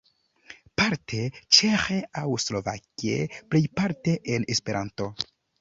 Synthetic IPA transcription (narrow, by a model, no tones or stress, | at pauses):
paɾtʰe̞t͡ʃexeawslo̞va̰kiḛplejpaɾte̞ʔenespe̞ɾʔanto̞